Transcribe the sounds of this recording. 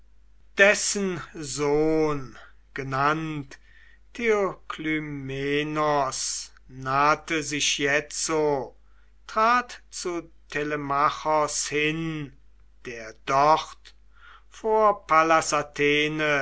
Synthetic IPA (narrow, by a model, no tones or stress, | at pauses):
d̥ɛsənzoːn | ɡ̥ənantʰː | eokʰlymeːnɔs | naːtəzɪʃjɛt͡so | tʁ̥aːtt͡sutʰeləmaχɔshɪn | d̥eːɐdɔχt | foːɐpalasatʰeːnə